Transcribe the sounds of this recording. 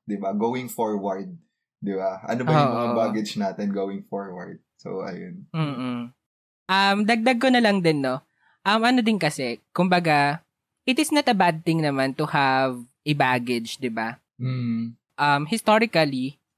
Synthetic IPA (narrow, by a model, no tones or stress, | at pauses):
d̪ɪbaɡoːwɪŋfoɹwɐɹd̪̚ | d̪ɪbaʔɐ̰noɐoʊːʔmɐŋabaːɡɪd͡ʒnaːt̪ɛnɡowɪŋfoɹwɐɹd̪̚so̰ʔɐ̰jo̰nm̩ː | ʔɐmd̪ɐɡ̚d̪ɐɡ̚konɐlɐŋd̪ɪnːo | ʔɐmʔɐnod̪ɪnkɐsɛkʊmbɐɡa | ʔɪt̪ɪsnɐt̪ɐbad̪̚t̪ɪ̃ŋnɐmant̪ʊhavʔɛbaɡɪd͡ʒd̪ɪba | m̩ː | ʔɐmhɪst̪oɾɪkɐli